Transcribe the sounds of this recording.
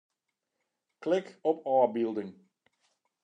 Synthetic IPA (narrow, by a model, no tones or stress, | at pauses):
klɪkɔpʰɑːbilˠdəŋ